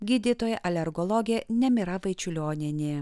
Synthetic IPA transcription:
ɡʲiːd̪ʲit̪oːjɛʔɐlʲɛɾɡɔlˠɔɡʲeːnʲɛmʲɪɾɐʋɐɪt͡ʃʲʊlʲoːnʲɪnʲe

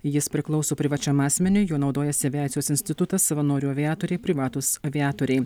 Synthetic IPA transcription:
jɪspʲɾʲɪklˠɒʊsoːpʲɾʲɪʋɐt͡ʃʲɛmɑːsʲmʲɛnʲʊjuːnɒʊd̪oːjɛsʲɐæːɪjoːsʲɪnʲsʲt̪ʲɪt̪ʊt̪ɐsːɐʋɐnoːɾʲuːɐʋʲɪjaːt̪oːɾʲɛɪpʲɾʲɪʋɑːt̪usɐʋʲɪɑːt̪oːɾʲɛɪ

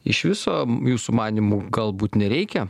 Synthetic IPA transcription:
ɪ̰ʃʋʲɪsoːjuːsumɑːnʲimuːɡɐlˠbuːt̪nʲɛɾʲɛɪkʲɛ

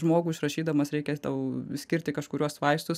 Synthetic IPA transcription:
ʒmoːɡuːɪʃrɐʃʲiːd̪ɐmɐsɾʲɛɪkʲɛt̪ɐʊsʲkʲɪɾʲt̪ʲɪkɐʃkʊɾʲuɔsʋɐɪst̪ʊs

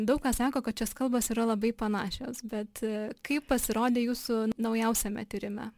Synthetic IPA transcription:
d̪ɐʊkkɑːsɑːkoːkɐt̪t͡ʃʲɛskɐlˠbɐsiːɾɐlˠɐbɐɪpɐnɑːʃʲo̰ːsbʲɛt̪kɐɪppɐsʲɪɾoːd̪ʲeːjuːsʊnɐʊjɛʊsʲɛmʲɛ̰t̪ʲɪɾʲɪmʲɛ

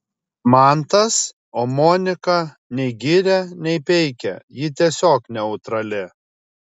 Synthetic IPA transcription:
mɑˑnt̪ɐs | oːmɔːnʲɪkɐ | nʲɛɪɡʲiɾʲɛnʲɛɪpʲɛɪkʲɛ̰jɪt̪ʲiɛsʲoːknʲɛʊt̪ɾɐlʲɪ

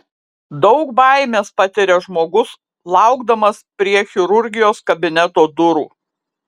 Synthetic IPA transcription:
d̪ɒʊkbɑˑɪmʲeːspɐt̪ʲɪɾʲɛʒmoːɡʊs | lˠɑˑʊɡd̪ɐmɐspʲɾʲiɛxʲɪɾʊɾʲɡʲɪjoːskɐbʲɪnʲɛt̪oːd̪ʊɾṵː

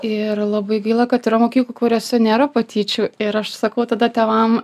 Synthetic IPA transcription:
ɪrlˠɐbɐɪɡɐɪlˠɐkɐt̪ɪɾɐmoːkʲiːklˠukʊɾʲɛsʊnʲeːɾɐpɐt̪ʲiːt͡ʃʲʊɪɾɐʃsɐkɐʊt̪ɐd̪ɐt̪ʲɛːʋɐm

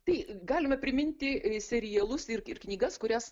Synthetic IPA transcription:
t̪ɐɪɡɑːlʲɪmɐpʲɾʲɪmʲɪnʲt̪ʲɪsʲɛɾʲɪjɛlˠʊsɪrɪrknʲiːɡɐskʊɾʲæs

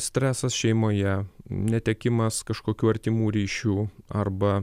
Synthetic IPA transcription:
sʲt̪ʲɾʲæːsɐsʃʲɛɪmoːjɛnʲɛt̪ʲɛkʲɪmɐskɐʃkoːkʲuːɐɾʲt̪ʲɪmuːɾʲiːʃʲuːɐrbɐ

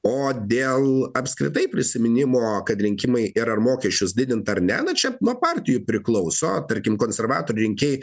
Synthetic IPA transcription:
oːd̪ʲeːlˠɐpskɾʲɪt̪ɐɪpʲɾʲɪsʲɪmʲɪnʲɪmoːkɐt̪ɾʲɪŋʲkʲɪmɐɪʔɪɾɐrmoːkʲɛʃʲt͡ʃʲʊsd̪ʲɪd̪ʲɪnt̪ɐɐɾnʲæ̰ːnɐt͡ʃʲɛnuːpɑːɾʲt̪ʲɪjʊpʲɾʲɪklˠɐʊsoːt̪ɐɾʲkʲɪmkoːnʲsʲɛɾʋɑːt̪oːɾʲʊɪŋʲkʲeːj

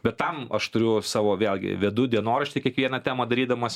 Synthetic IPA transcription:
bʲɛt̪tɐmɐʃt̪ʊɾʲʊsɑːʋoːʋʲeːlʲɡʲɪ̰ʋʲiɛd̪ʊd̪ʲiɛnoːɾɐʃʲt̪ʲikʲiɛkʋʲiɛnɐt̪ʲæːmɐd̪ɐɾʲiːd̪ɐmɐs

